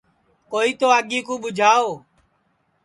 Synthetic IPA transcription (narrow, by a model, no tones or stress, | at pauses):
koːiːt̪oːaɠiːkõːɓʊd͡ʒʱaːoː